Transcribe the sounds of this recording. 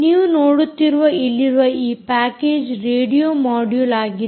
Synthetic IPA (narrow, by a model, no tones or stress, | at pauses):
niːʋunoːɽut̪ːiɾuʋɐilːiɾuʋɐiːppaːkeːd͡ʒɾeːɖijoːmaːɖjuːlaːɡi